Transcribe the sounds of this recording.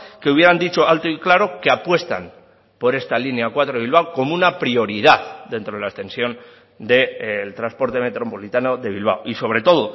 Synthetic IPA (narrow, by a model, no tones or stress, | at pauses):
keuβje̞ɾand̪it͡ʃo̞alt̪oiklaɾo̞keapwe̞st̪a̰m | po̞ɾe̞st̪alineakwat̪ɾoβilβ̞awko̞mounapɾio̞ɾiðaðd̪e̞nt̪ɾoelaest̪e̞nsjo̞n | d̪e̞lt̪ɾaspo̞ɾt̪e̞me̞t̪ɾo̞po̞lit̪ano̞ðe̞βilβ̞a̰wʔiso̞β̞ɾe̞t̪o̞ðo̞